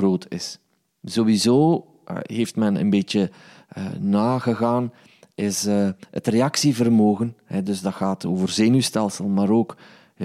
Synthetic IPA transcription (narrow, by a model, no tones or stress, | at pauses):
roːtʰɪ̰s | zowizoː | ɦeːftmɛnə̰nbeːtə | ə̰naːɣəɣaːn | ɪsəə̰treɑksivərmoːɣənɦɛdɵzdɑxaːtʰoːvərzeːnystɛlˠsəlˠmaːɾoːk